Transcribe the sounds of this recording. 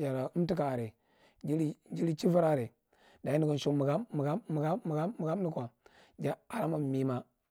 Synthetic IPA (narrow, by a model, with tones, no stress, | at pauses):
d͡ʒa˨ɾa˨u˦m˦ti˦kaː˨ɾe˨ | d͡ʒi˦li˦d͡ʒi˦ɾi˦t͡ʃi˦va˦ɾa˦˨ɾe˨ | da˨i˦ni˦ɡo˨n˨ʃo˦˨mu˨ɡa˦mːu˨ɡaː˦u˨ɡa˦mːu˨ɡa˦mmu˨ɡa˦mni˦kʷa˨ | d͡ʒa˨a˨ɾa˦ma˨mi˨ma˦